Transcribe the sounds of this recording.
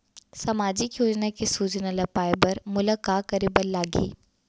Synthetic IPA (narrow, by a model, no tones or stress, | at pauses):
sɐmaːd͡ʒɪkjoːd͡ʒnakesuːd͡ʒnalɐpaːɪbɐɾmʊləkaːkɐɾibəɾlaːɡḭː